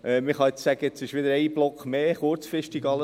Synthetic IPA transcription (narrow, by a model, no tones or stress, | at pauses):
ʔɛmɪχɑɪt͡ssæɡəɪt͡sɪʃʋɪd̪əɾɛɪb̥lɔkχmeːχʊɾt͡sfɾɪʃtiɡɑlə